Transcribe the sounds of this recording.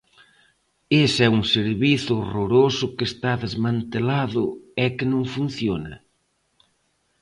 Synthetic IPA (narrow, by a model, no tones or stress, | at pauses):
esɛuŋseɾβiθʊoroɾosʊkest̪aðezmãnt̪elaðʊɛkɪnõŋfun̟θjonɐ̰